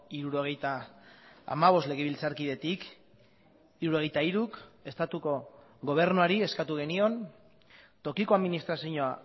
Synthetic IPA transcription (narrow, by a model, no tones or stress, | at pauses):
iɾuɾo̞ɣ̞e̞jt̪a̰ː | maβ̞o̞sle̞ɣ̞e̞β̞ilt͡saɾkið̞e̞t̪ik | iɾuɾo̞ɣ̞e̞jt̪aiɾuke̞st̪at̪uko̞ | ɣo̞β̞e̞ɾnuaɾie̞skat̪uɣe̞nio̞n | t̪o̞kiko̞aðminist̪ɾasiɲoa